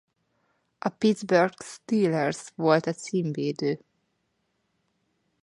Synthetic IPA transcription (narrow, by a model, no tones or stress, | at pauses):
ʔɒpid̪zbørɡst̪iːlɛrsʋo̞lt̪ɛsiːmveːd̪øː